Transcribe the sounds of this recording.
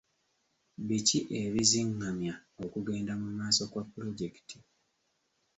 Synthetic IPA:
βiciʔe̞βiziŋːamjao̞kuɡe̞ːndamumaːso̞kwapːuɾo̞ɟe̞ki̥tʰi̥

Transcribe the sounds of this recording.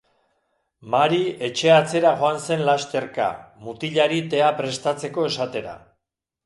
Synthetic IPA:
maɾie̞t͡ʃe̞at͡se̞ɾaɣo̞anse̞nlast̪e̞ɾka̰mut̪iʎaɾit̪e̞apɾe̞st̪at͡se̞ko̞e̞sat̪e̞ɾa̰

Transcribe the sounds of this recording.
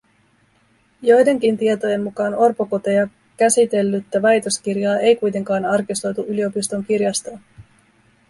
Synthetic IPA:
jo̞jde̞ŋk̟int̪iet̪o̞je̞mːukɑːno̞rpoko̞t̪ejɑ | kæsit̪e̞lːyt̪ːæʋɑjt̪o̞sk̟irjɑːʔe̞jkujt̪e̞ŋkɑːnɑrkist̪o̞jt̪uʔylio̞pist̪o̞ŋkirjɑst̪oː

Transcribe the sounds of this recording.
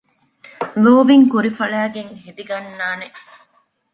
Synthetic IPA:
loːʋiŋkuɾifɐɭæːɡeŋɦed̪iɡɐnːaːne

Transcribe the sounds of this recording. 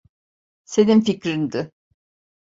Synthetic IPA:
se̞ninficɾind̪ɪ

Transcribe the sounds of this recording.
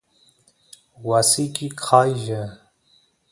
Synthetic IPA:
wasikʼikʰaːjʒə

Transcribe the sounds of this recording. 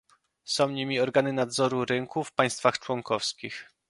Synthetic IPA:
sɔ̃w̃ɲimʲiɔɾɡanɘnad̪zɔɾuɾɘŋkufpaj̃st̪faxt͡ʂwɔŋkɔfskʲix

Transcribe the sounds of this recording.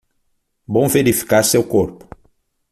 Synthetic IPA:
bõw̃veɾifi̥kaɾsewkoɾpʊ̥

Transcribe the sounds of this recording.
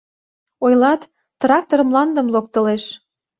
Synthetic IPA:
ojlɑt̪ː | rɑk̚t̪oɾəmlɑnd̪əmlok̚t̪ə̆leʃ

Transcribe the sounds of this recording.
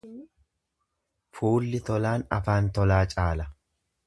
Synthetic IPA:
fuːlːɪt̪ɔlaːnɐ̰faːnt̪ɔlaːt͡ʃʼaːlɐ

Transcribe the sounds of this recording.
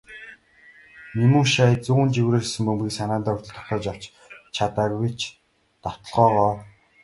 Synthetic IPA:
nimuːʃaːt͡suːɣɘnt͡ɕiwɾeːrsɘ̆mpɵmɡiːksanaːnt̪aːʊrt̪ə̆ɮt̪ʰɔ̥t̪ɔːt͡ɕaw̥t͡ɕ | t͡ɕʰat̪aːkwit͡ɕ | t̪aw̥t̪ɞ̆ɮʁɔːʁɔː

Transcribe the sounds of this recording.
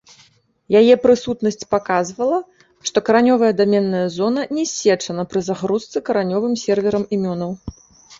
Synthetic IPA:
jajɛpɾɨsut̪nɐsʲt͡sʲpakazvɐlˠɐ | ʂt̪ɔkɐɾanʲɔvɐjɛd̪amʲɛnːɐjɐzɔnɐnʲɛsʲːɛt͡ʂɐnɐpɾɨzaɣɾust̪sɨkɐɾanʲɔvɨmsʲɛrvʲɛɾɐmimʲɔnɐw

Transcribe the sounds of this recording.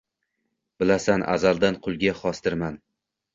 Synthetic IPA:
b̥ɪlasanʔa̰zalˠd̪anqʰʊlˠɡʲaχɒst̪ɪɾman

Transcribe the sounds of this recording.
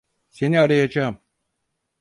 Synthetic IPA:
se̞niaɾajad͡ʒaːm

